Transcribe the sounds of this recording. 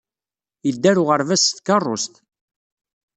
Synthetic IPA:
jəd̪ːæɾʊʁəɾvæsθkɑrˤːo̰st̪

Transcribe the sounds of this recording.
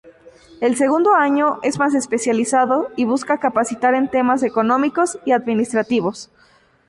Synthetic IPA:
e̞lse̞ɣũnd̪o̞aɲo̞ʔe̞zmas̬e̞spe̞sjalisaðo̞iβ̞uskakapasit̪aɾe̞nt̪e̞mase̞ko̞nõ̞miko̞siaðmĩnist̪ɾat̪iβo̞s

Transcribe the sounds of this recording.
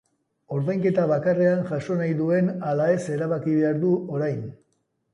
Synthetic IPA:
o̞ɾðajŋke̞t̪aβakare̞anʝaʃo̞najðue̞nalae̞se̞ɾaβakiβe̞aɾðuo̞ɾajn

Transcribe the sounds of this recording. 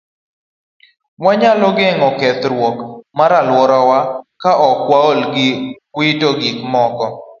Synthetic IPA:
waɲalɔɡɛŋɔkɛt̪ɾwɔkmaɾalwɔɾɔwakaʔɔkwaolɡɪkwɪtoɡikmɔkɔ

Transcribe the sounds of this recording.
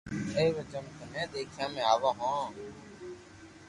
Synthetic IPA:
eːʋeːd͡ʒəmkənẽːd̪eːkʰjãːmẽːaːʋãːɦõː

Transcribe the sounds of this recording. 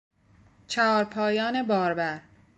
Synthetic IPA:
t͡ʃʰæɒːɾpʰɒːjɒːne̞bɒːɾbæɾ

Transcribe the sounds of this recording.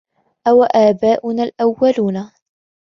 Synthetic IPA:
ʔawaʔaːbaːʔʊnaːlʔawːaluːna

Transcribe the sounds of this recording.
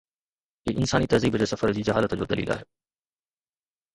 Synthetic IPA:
eːʔɪnsaːnit̪ɐziːbd͡ʑeːsɐfəɾd͡ʑiːd͡ʑɐɦaːlət̪d͡ʑo̰ːd̪ɐlḭːlʔa̰ːɦeː

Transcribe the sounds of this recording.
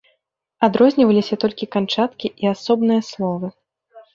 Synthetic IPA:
ad̪ɾɔzʲnʲivɐlʲisʲɐt̪ɔlʲkʲikant͡ʂat̪kʲiʔiasɔbnɨjɐslˠɔvɨ

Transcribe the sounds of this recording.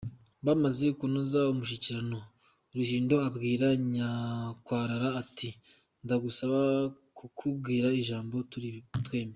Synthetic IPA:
βamaze̞kunozaumuʃiciɾano̞ | ɾuhiːndo̞abɡiːɾaɲakwaːɾaɾaːti | ndaɡusaβa | kukʰubɡiːɾaiʒaːmbo̞titwe̞ːmbe

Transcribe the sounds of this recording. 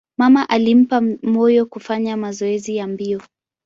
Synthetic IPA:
mamaʔalim̩pamɔjɔkufaɲamazɔɛzijambiɔ

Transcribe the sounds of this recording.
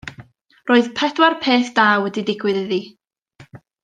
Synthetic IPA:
roːɨðpʰɛdwarpʰeːθd̥aːwɛdidɪɡwɨðɨðiː

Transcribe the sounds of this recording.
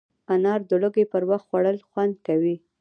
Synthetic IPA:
anɑɾd̪əlʊɡepəɾwaxt̪xwaɽəlxwand̪̚kawi

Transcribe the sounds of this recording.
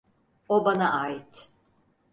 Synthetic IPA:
obanaʔaːit̪

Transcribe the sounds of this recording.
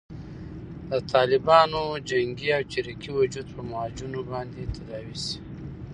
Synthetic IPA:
d̪ət̪ʰɑlɪbɑnod͡ʒaŋɡiawt͡ʃiɾikiwad͡ʒud̪̚pəmaɑd͡ʒunobɑnd̪et̪ʰad̪ɑwisi̥

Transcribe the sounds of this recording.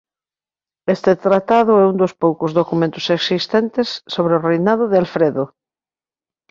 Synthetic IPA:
est̪et̪ɾat̪aðʊɛund̪ospowkʊzðokumẽnt̪ʊseksist̪ent̪esːoβɾeorejnaðʊðealfɾeðo

